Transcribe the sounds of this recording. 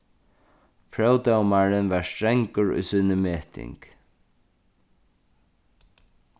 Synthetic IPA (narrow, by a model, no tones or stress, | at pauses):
pʰɹœwt̪awmaɹɪnʋaɹst̪ɹɛŋkʊɹʊ̰jsiːnəmeːht̪ʰɪ̰ŋk